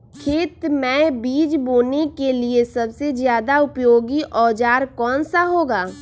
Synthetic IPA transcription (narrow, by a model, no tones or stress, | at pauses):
kʰeːt̪mɛ̃biːd͡ʒboːnekeliesɐbsezjaːd̪aʊpjoːɡiʔɔːd͡ʒaːɾkɔːnsaɦoːɡaː